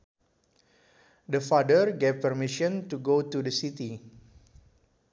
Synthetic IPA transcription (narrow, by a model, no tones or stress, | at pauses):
dəfadəɹɡevpərmiʃɔ̃ntuɡotudəsit̪i